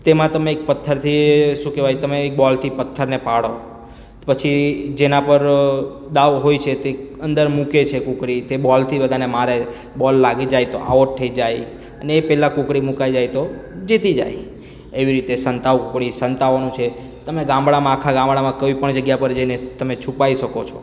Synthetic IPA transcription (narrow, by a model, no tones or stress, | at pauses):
t̪emãt̪əmeːk̚pət̪ʰːəɾt̪ʰiʃũkɛʋajt̪əmeːk̚bɔlt̪ʰipət̪ʰːəɾnepaɽo | pət͡ʃʰid͡ʒenãpəɾ | d̪aʋɦojt͡ʃʰet̪eənd̪əɾmuket͡ʃʰekũkɾit̪ebɔlt̪ʰibəd̪ʱanemaɾe | bɔlːaɡid͡ʒajt̪o̰ʔa̰ʋoʈʈ̪ʰəid͡ʒaj | əneːpɛɦlãkukɽimukajd͡ʒajt̪od͡ʒit̪id͡ʒa̰j | eʋiɾit̪esənt̪aʋkukɽisənt̪aʋanũt͡ʃʰe | t̪əmeɡãmbɽamãːkʰaɡãmbɽamãkəʋipəɳd͡ʒəɡjapəɾd͡ʒenet̪əmet͡ʃʰupaiʃəkot͡ʃʰo